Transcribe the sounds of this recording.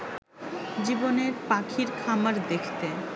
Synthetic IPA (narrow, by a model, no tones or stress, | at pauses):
d͡ʑiboneɾpakʰiɾkʰamaɾd̪ekʰt̪e